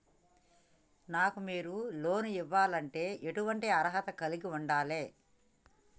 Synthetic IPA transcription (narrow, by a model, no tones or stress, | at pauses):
naːkumiːɾuloːnuiʋːaːlɐɳʈe̞ːeʈuʋɐɳʈiɐɾɐɦɐt̪ɐkɐliɡiuɳɖaːleː